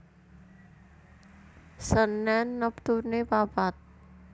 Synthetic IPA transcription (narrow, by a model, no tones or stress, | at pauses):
sənːɛnːəpt̪unebabat̪̚